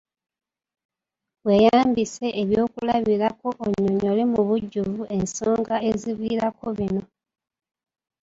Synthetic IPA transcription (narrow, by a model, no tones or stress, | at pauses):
βwe̞jaːmbise̞ʔeβjo̞ːkulaβiɾako̞ʔoɲːoɲoːlimuβuɟːuvuʔe̞nsoːŋɡae̞ziβiːɾako̞βino̞